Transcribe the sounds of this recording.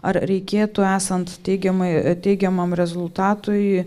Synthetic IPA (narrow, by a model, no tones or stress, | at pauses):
ɐrɾʲɛɪkʲeːt̪ʊæːsɐnt̪tʲɛɪɡʲɛmɐɪt̪ʲɛɪɡʲɛmɐmɾʲɛzʊlˠt̪ɑːt̪ʊj